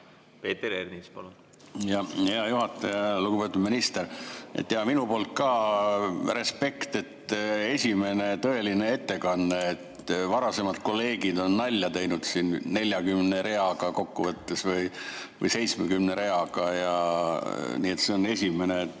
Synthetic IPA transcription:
peːt̪ːeɾernispolu | jɑheɑjuɦɑt̪ːˑɑjɑluɡ̥upe̞t̪ud̪̚minist̪eɾḛt̪ːˑjɑminupo̞ːlt̪̚kɑː | re̞spe̞kt̪e̞t̪ːe̞sʲime̞ne̞t̪ɤe̞linee̞t̪ːe̞kɑnːeːt̪vɑɾɑse̞mɑd̪̥ko̞lːe̞ːɡ̥id̪o̞nːɑlʲːjɑt̪e̞jnud̪̥sinnelʲjɑkymne̞ɾe̞ɑɡɑko̞kːuvɤt̪ːesvɤjvɤ̰jse̞jt̪smekymne̞ɾe̞ɑɡ̥ɑjɑ | niːet̪seone̞sʲime̞ne

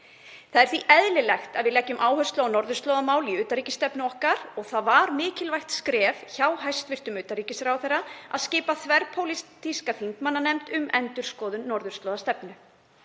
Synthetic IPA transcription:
θaðɛɾ̥θviʔɛðlɪlɛjxt̪aðvɪðlɛcːʏmʔaːwhœst̪lanɔɾðʏrst̪lɔwðamaːwliʏːt̪aɾiːcɪst̪ɛpnʏɔhkaɾɔɣθaðvaɾmɪːcɪlvajxt̪skɾɛːvçaːwɦajst̪vɪr̥t̪ʏmʏːt̪aɾriːcɪsɾawθɛrːaa̰ðscɪːpaθvɛɾpʰowlist̪iskaθiŋkmanːanɛmt̪ʏmɛnt̪ʏɾ̥skɔːðʏnnɔɾðʏ̥st̪lɔːðast̪ɛpnʏ

